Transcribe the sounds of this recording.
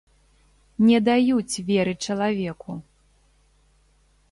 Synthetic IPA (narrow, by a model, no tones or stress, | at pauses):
nʲɛd̪ajut͡sʲvʲɛɾɨt͡ʂɐlˠavʲɛku